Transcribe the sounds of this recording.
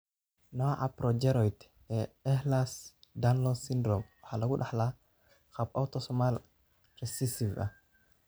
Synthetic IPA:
nawaʔapɾɔd͡ʒɛɾɔjt̪ | ɛɛhlasdanlɔsindɾɔmwħalaɡuɗaħla | xap̚awt̪ɔsɔmal | ɾɛsisiva̰

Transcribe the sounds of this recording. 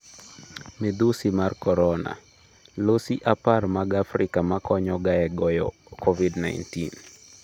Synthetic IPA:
mid̪usimarkɔɾɔna̰ | losiʔaparmaɡafɾɪkamakɔɲɔɡaɛɡɔjɔ̰ | kɔvidna̰ɪntḭn

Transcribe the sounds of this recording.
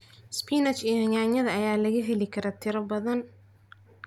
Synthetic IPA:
spʰiːnɐt͡ʃijhɐɲaːɲɐðɐɐjaːlɐɣɐɦɪlɪkʰɐɾɔːt̪ʰɪɾɐbɐðɐn

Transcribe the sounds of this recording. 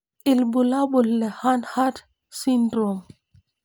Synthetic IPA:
ʔilbulabulːɛhanhat | sindɾom

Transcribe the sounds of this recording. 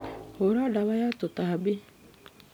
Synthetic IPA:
hoɾaːɖaʋajaːt̪ot̪aɦabi

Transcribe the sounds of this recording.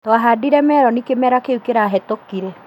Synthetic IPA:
tɔaɦadiɾɛmɛɾɔnikemɛɾakeukeɾaːɦɛtokiɾɛ

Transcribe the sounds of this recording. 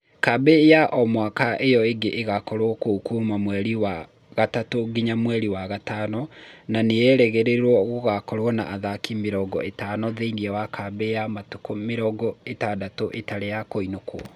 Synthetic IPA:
kabejaʔɔmwakaʔejɔeɡeʔːɣakɔɾwɔkokumamwɛɾiwa | ɣatatoɡiɲamwɛɾiwaɣatanɔnanejɛɾɛɣeɾeɾwɔɣoɣakɔɾwɔna̰ʔaðakimeɾɔɡɔ̰ʔetanɔðeiniɛwakʰabejamatukomeɾɔɡɔetadatoʔetaɾejakoinokwɔ

